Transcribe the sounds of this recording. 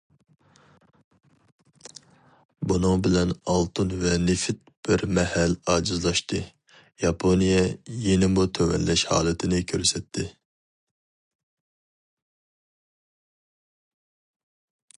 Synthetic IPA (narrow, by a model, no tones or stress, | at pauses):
bunɨŋbɪlɛnɑlˠt̪ʰɨnvɛnɪfɪt̪̚b̥ɪɾmɛhɛlɑːd͡ʒizlˠɑʃt̪ɨ | jɑpʰonijɛjenɪmut̪ʰøwɛ̰nlɛʃhɑ̰ːlˠɨt̪ʰɪnɪkʲʰøɾsɛt̪ʰːɪ